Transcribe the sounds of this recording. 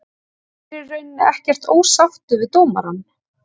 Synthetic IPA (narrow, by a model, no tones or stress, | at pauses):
ɪrœɥnːɛhcɛr̥t̪oːwsaft̪ʏvɪðt̪oːwmaɾanː